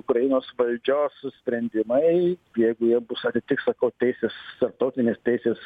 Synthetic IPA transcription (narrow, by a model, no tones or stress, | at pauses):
ʊkɾɐjɪnoːsʋɐlʲd͡ʒʲoːssʲpʲɾʲɛnʲd̪ʲɪmɐɪjɛɪɡʊjiɛbʊsɐt̪ʲɪt̪ʲɪkssɐkɐʊt̪ʲɛɪsʲeːst̪ɐrp̚t̪ɐʊt̪ʲɪnʲeːst̪ʲɛɪsʲeːs